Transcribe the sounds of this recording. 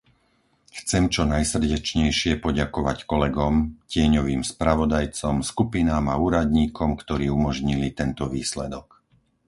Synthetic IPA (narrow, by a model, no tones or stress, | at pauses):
xt͡sɛmt͡ʃɔnajsr̩ɟɛt͡ʃɲɛjʃɪɛpɔɟakɔʋackɔlɛɡɔmcɪɛɲɔʋiːmspɾaʋɔd̪ajt͡sɔmskupinaːmauːɾad̪ɲiːkʰɔmkt̪ɔɾiːumɔʒɲilit̪ɛnt̪ɔʋiːslɛd̪ɔk